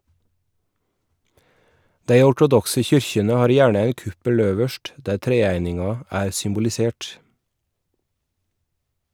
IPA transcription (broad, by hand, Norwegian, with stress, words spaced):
ˈdæɪ ɔʈʊˈdɔksə ˈçʏɾçənə ˈhɑːɾ ˈjæːɳə ˈæɪn ˈkʉpəl ˈøːʋəʃʈ ˈdæːɾ ˈtɾeːæɪnɪŋɑ ˈæːɾ sʏmbʊlɪˈseːʈ